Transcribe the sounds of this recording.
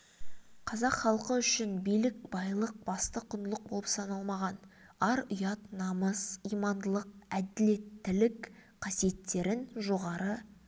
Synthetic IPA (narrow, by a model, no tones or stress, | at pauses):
qʰɑzɑqχɑlˠqəʏʃɪnbijlɪk̚bɑjlˠəq̚bɑst̪əqʰʊnd̪əlˠəq̚bolˠəpsɑnɑlˠmɑʁɑnɑɾʊjɑt̪nɑməzijmɑnd̪əlˠəq̚æd̪ɪle̞t̪ːɪlɪkqʰɑsije̞t̪ːe̞ɾɪnʒo̞ʁɑɾə